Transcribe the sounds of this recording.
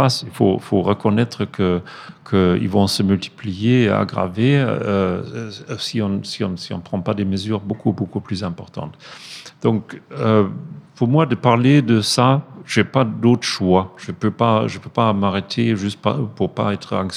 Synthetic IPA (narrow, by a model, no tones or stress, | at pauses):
asilfo̰foʁəkɔnɛt̪χəkʰə | kʰəḭlvɔ̃səmylt̪ʰi̥plijea̰ɡʁa̰ve | siɔ̃siɔ̃siɔ̰̃pχɑ̃pad̪eməzyːʁbokʰubokuplyzɛ̃pɔʁt̪ɑ̰̃t̪d̪̥ɔ̃køpuʁmwad̪əpaʁled̪əsaʒ̥epad̪ot̪χəʃwaʒ̥əpøpaʒəpøpamaʁet̪ʰeʒyst̪̚papuʁpa̰ɛt̪χəɑ̃ŋks